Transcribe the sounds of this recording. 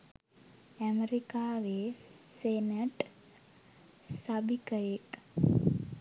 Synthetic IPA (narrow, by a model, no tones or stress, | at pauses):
æmeɾikaːʋeːseneʈ | sabikəjek